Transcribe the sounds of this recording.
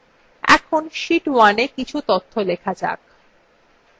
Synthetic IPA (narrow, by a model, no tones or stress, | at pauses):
ɛ̰kʰonʃiʈwanekit͡ɕʰut̪ot̪ʰːolekʰad͡ʑa̰k̚